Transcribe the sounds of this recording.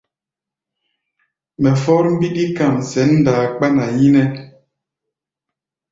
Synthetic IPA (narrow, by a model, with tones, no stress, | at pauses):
mɛ˨fɔ˦ɾm̩˦bi˦ɗi˦ka˨msɛ˨˦nː˦daː˨k͡pa˦na˨ji˦nɛ˦